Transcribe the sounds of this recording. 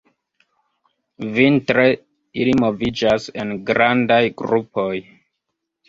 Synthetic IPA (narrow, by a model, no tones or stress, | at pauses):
vintɾe̞ | ilimo̞vid͡ʒase̞nɡɾandajɡɾupo̞j